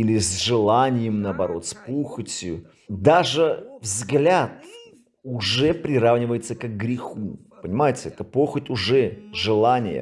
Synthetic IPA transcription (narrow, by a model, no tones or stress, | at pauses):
ilʲɪzʲʐɨlˠanʲɪjəmnəɐbɐɾo̞t̪spuxətʲjʊ | d̪aʐɨvzɡlʲat̪ | ʊʐɛpɾʲɪɾavnʲɪvəjɪt̪səkəɡɡɾʲɪxu | pənʲɪmajɪtʲɪɛt̪əpoxətʲʊʐɛʐɨlˠanʲɪjə̰